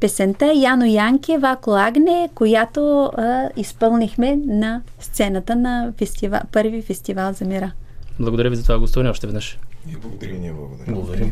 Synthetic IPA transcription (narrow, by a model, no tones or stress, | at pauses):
pɛsɛnt̪ajanojaŋkʲɛvakloaɡnɛkojat̪o | ispɤlˠnixmɛnɐst̪sɛnət̪ənɐfɛst̪iva̰pɤɾvifɛst̪ivalˠzɐmiɾablˠɐɡod̪ɐɾʲjəvizɐt̪ovaɡost̪ovɐnɛɔʃt̪ɛvɛd̪nəʃblˠɡd̪ɾʲnʲblˠɐɡ̪blˠɐɡod̪ɐɾʲi